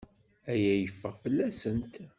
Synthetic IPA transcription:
æjæjəfːəʁfəlːæsənt̪

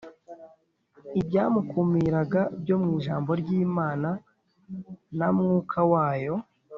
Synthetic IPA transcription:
ibɟaːmukumiɾaɡabɟo̞mŋiːʒaːmbo̞ɾɟiːmaːna | namŋuːkʰawaːjo̞

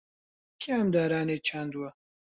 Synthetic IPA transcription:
kʰeɐmd̪aːɾaːneːt͡ʃʰaːnd̪uwɐ

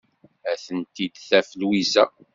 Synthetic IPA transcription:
æθənt̪id̪θæfəlwisæ

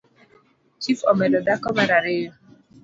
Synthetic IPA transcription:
t͡ʃifɔmɛdɔdakɔmaɾaɾɪjɔ

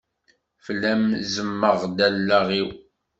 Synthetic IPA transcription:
fəlːæmzəmːəʁd̪ælːæʁiw

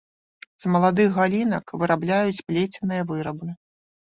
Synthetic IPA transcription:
z̥mɐlˠad̪ɨɣɣalʲinɐkvɨɾablʲajut͡sʲpʲlʲet͡sʲɛnɨjɐvɨɾɐbɨ

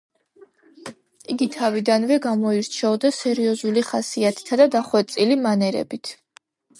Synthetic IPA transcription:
iɡit̪ʰavid̪anvɛɡamɔiɾt͡ʃʰɛɔd̪asɛɾiɔzuliχasiat̪ʰi̥t̪ʰad̪ad̪aχwɛt̪sʼilimanɛɾɛ̰bit̪ʰ

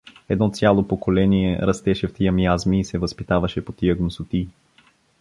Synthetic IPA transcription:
ɛd̪nɔt̪sʲjalˠopokolɛniɛɾɐst̪ɛʃɛft̪iəmiazmiːsɛvəspit̪avɐʃɛpot̪ijəɡnosʊt̪i

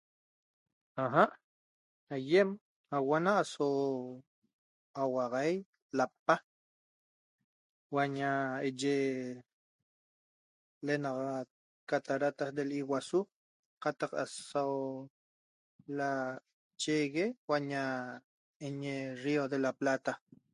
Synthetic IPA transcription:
aɦaʔ | ajem | awanaːso | awɑʁaj | lapːa | waɲaed͡ʒe | lenɑʁat̪̚ | kat̪aɾat̪asd̪eliwasu | qat̪ɑqa̰sow | la | t͡ʃeɣewaɲa | eɲeriod̪elaplat̪a

